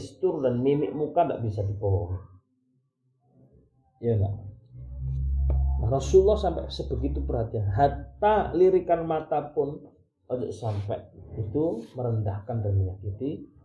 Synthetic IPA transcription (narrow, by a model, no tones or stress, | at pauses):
st̪ʊrdanmimɪʔmukanda̰ʔbisadipoɔŋi | jana̰ʔ | naɾɔsulːɔhsampɛʔsəb̥əɡit̪ubərɦat̪ianɦat̪aliɾikanmat̪apʊn | ɔd͡ʒɔ̰ʔsampɛʔit̪uməɾəndahkandəniad͡ʒadi